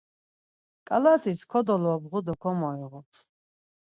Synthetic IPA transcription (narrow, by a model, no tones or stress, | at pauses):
kʼalat̪ʰiskʰɔd̪ɔlɔbʁud̪ɔkʰɔmɔiʁɔpʰ